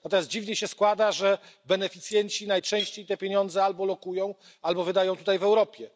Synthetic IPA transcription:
nnat̪ɔmʲjast̪d͡ʑivɲɛɕɛskwad̪aʐɛbɛnɛfʲit̪sʲjɛɲt͡ɕinajt͡ʂɛ̃w̃ɕt͡ɕejt̪ɛpʲjeɲɔnd̪zɛalbɔlɔkujɔ̃w̃ | albɔvɘd̪ajɔ̃w̃t̪ut̪ajvɛwɾɔpʲjɛ

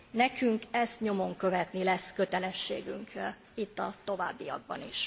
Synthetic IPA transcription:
nɛkyŋkɛst̪ɲo̞mo̞ŋkø̞vɛt̪nilɛskø̞t̪ɛlɛʃːḛːɡyŋk | it̪ːɒt̪o̞va̰ːbːijɒ̰ɡ̚bɒ̰niʃ

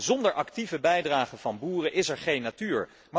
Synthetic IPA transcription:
zɔndəɹʔɑktivəbɛjdraːχəv̥ɑnbuːrəʔɪsɛɹχejnːatyːɹ | ma

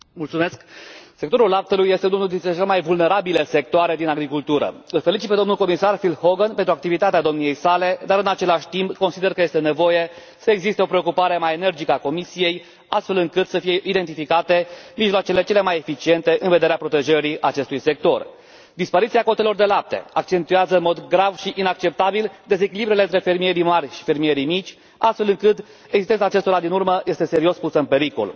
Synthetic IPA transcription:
mult̪sume̞skse̞kt̪o̞ɾulːap̚t̪əlujːe̞st̪eununuld̪int̪ɾet͡ʃelemajvulne̞ɾabilese̞k̚t̪oaɾe̞d̪inaɡɾikult̪uɾə̰ɨlfelit͡ʃit̪pe̞d̪o̞mnulko̞misarfilho̞ɡənpent̪ɾuakt̪ivit̪at̪ead̪o̞mnije̞jsale̞d̪aɾɨnat͡ʃe̞laʃʲt̪imbko̞nsid̪e̞rkəje̞st̪e̞ne̞vo̞je̞ | səeɡzist̪e̞o̞pɾe̞okupaɾe̞majene̞rd͡ʒikəako̞misije̞j | ast̪fe̞lɨŋkɨt̪səfijeʔid̪e̞nt̪̬ifikat̪e̞miʒloat͡ʃele̞t͡ʃe̞le̞majefit͡ʃie̞nt̪e̞ʔɨnve̞d̪e̞ɾeapɾo̞t̪e̞ʒəɾiʔat͡ʃe̞st̪ujse̞k̚t̪o̞r | d̪ispaɾit̪siako̞t̪e̞lo̞rd̪e̞lap̚t̪e̞̰ak̚t͡ʃe̞nt̪ujazəɨnmo̞d̪ɡɾavʃiʔinak̚t͡ʃe̞p̚t̪abild̪e̞ze̞kʲilibɾujleɨnt̪ɾe̞fe̞rmije̞ɾijmarʲʃi̥fe̞rmie̞ɾimit͡ʃʲ | ast̪fe̞lɨŋkɨt̪ | eɡzist̪enaːt͡ʃe̞st̪o̞ɾad̪inurməjʔe̞st̪e̞se̞ɾio̞spusəɨnpe̞ɾiko̰l

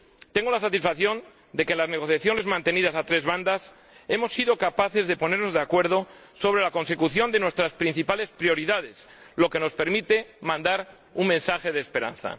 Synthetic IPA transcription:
t̪e̞ŋɡo̞lasat̪isfaθjo̞n | d̪e̞kenlazne̞ɣ̞o̞θjaθjo̞ne̞zmãnt̪e̞nið̞asat̪ɾe̞zβand̪as | e̞mo̞sːiðo̞kapaθe̞zðe̞po̞ne̞ɾno̞zðeakwe̞ɾð̞o̞ | so̞βɾe̞lako̞nse̞kuθjo̞nd̪e̞nwe̞st̪ɾaspɾin̟θipale̞spɾjo̞ɾiðað̞e̞s | lo̞ke̞no̞spe̞ɾmit̪e̞mãnd̪aɾ | uŋmẽnsaxe̞ð̞eːspe̞ɾa̰nθa̰

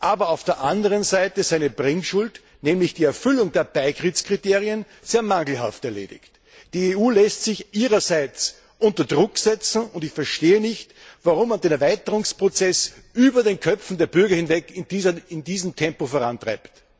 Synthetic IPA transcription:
ʔaːbɐaʊfd̥eːɐʔandəʁənzaɪtəzaɪnəbʁɪŋʃʊlt | nɛːmlɪçd̥iːɛɐfʏlʊŋdeːɐb̥aɪɡʁit͡skʁ̥iteːʁiən | z̥eːɐmaŋl̩ha̰ftɛɐlḛːdɪ̰çt | d̥iːeːuːlɛstsɪçʔiːʁɐzaɪt͡s | ʔʊntɐdʁʊksɛt͡sn̩ʊndɪçfɛɐʃteːənɪçt | vaʁʊmːandeːnɐvaɪtəʁʊŋspʁ̥ot͡sɛs | ʔyːbɐdeːnkʰœpfn̩deːɐbʏɐɡɐhɪnvɛkɪnd̥iːzɐɪndiːzəm̩tʰɛmpofoɐʁantʁa̰ɪpt

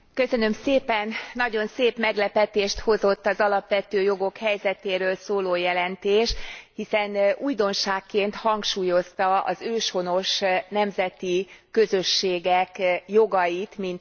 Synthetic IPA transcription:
køsø̞nø̞mseːpɛnːɒɟo̞nseːpmɛɡlɛpɛt̪eːʃt̪ho̞zo̞t̪ːɒzɒlɒpʋɛt̪øːjoɡo̞khɛjzɛt̪eːɾøːlsoːloːjɛlɛnt̪eːʃhisɛnujd̪o̞nʃaːkːeːnt̪hɒŋkʃuːjo̞st̪ɒɒ̰zøːʃho̞no̞ʃnɛmzɛt̪iːø̞zøʃːeːɡɛkjo̞ɡɒjit̪mint̪

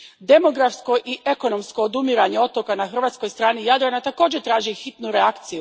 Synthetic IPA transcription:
d̪e̞mo̞ɡɾafsko̞ʔiʔe̞ko̞no̞msko̞ːd̪umiɾaɲe̞o̞t̪okanaxr̩ʋaːt̪sko̞jst̪ɾaːnijad̪ɾanat̪ako̞ːd͡ʑet̪ɾaːʒixit̪nuɾeakt̪siju

